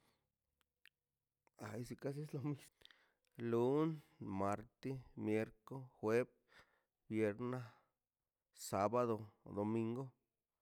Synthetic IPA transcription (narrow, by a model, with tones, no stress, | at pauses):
a˨jsi˧ka˦s̬e˦slo˧mi˧s | lu˦nma˨˧ɾt̪i˦mje˧ɾko˦xwe˦b | bje˧ɾna˦ | sa˧ba˦ðo˧d̪o˨mi˧ŋɡo˦